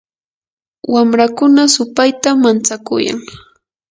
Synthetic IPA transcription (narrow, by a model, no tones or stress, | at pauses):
wamɾakʊnasʊpajt̪amant͡sakʊ̰ja̰ŋ